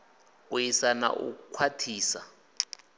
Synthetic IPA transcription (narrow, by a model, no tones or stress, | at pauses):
ujisana̰ʔṵukʰwatʰiːsa